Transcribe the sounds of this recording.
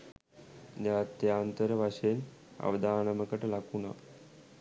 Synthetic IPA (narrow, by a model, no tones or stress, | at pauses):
d̪jat̪ːjaːnt̪əɾəʋʱaɕeːn | ɐ̰ʋəd̪aːnəməkəʈlakʰuna̰